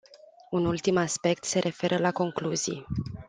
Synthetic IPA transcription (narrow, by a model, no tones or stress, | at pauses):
unult̪imaspe̞kt̪se̞ɾʔe̞fe̞ɾəlako̞ŋkluzḭj